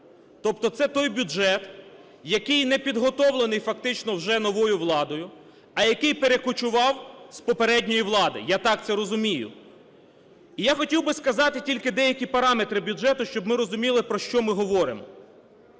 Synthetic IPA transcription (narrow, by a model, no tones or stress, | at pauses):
t̪ɔp̚t̪ɔt̪sɛt̪ɔjbʲuʒɛt̪ | jɐkɪjnɛpʲid̪ɦɔt̪ɔwlˠenɪjfɐk̚t̪ɪt͡ʃnɔwʒɛnɔʋɔjʊʋlˠɑd̪ɔjʊ | ɐjɐkɪjpeɾe̞kʊt͡ʃʊʋɑwspɔpeɾɛdʲnʲɔjiʋlˠɑd̪ɪ̰jat̪ɑk̚t̪sɛɾɔzʊmʲijʊ̰ | ijaxɔtʲiwbɪskɐzɑt̪ɪtʲilʲkɪd̪ɛjɐkʲipɐɾɑmet̪ɾɪbʲʊʒɛt̪ʊʃt͡ʃɔbmɪɾɔzʊmʲilˠɪpɾɔʃt͡ʃɔmɪɦɔʋɔɾɪmɔ